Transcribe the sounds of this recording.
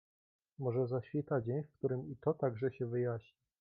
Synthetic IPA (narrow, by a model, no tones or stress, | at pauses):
mɔʐɛzaɕfʲit̪ad͡ʑeɲfkt̪uɾɘmit̪ɔt̪aɡʐɛɕɛvɘjaɕɲi